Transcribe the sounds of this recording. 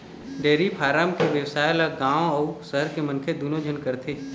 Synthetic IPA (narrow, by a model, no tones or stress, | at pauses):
ɖeːɾipʰaːɾaːmkeʋjəwsaːjlaɡãːʋɐusəɦəɾkemə̃nkʰed̪unõd͡ʒʱənkəɾt̪ʰeː